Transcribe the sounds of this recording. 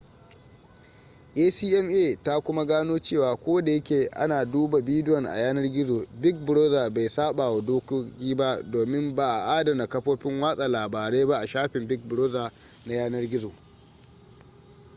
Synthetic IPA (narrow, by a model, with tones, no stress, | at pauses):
ʔeː˦siː˦ʔɛ˦mʔeː˦˨ta˦kʷʊ˦ma˦ɡaː˦noː˦t͡ʃeː˦˨waː˨kʷoː˦da˨jɐ˦kʲeː˨ʔa̰˦naː˨duː˦ba˨biː˦dɪ˦jɔ˨ŋʔa̰˨jaː˦nɐ˦rɡʲɪ˦zoː˨bɪ˦k̚bɪ˨ɽoː˦za˨ba˨jsaː˦ɓaː˨wa˨doː˦ko˦kʲiː˦ba˦doː˨mɪ˦mba˨ʔa˨ʔaː˦dɐ˨na˨kɐ˦ɸoː˦ɸɪ˦ŋwaː˦sʼa˨laː˨baː˨ɽeː˦ba˦ʔa˨ʃaː˦ɸɪ˨mbɪ˦k̚bɪ˨ɽoː˦za˨ | na˦jaː˦nɐ˦rɡʲɪ˦zo˨